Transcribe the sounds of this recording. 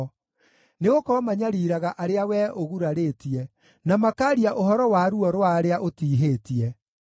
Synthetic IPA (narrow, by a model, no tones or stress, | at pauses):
neɣokɔmaɲaɾiːɾaɣaʔaɾeawɛʔoɣuɾaɾeːtiɛ | namakaːɾiaʔoɦɔɾɔwaɾuɔɾwaɾeaʔotiːɦeːtiɛ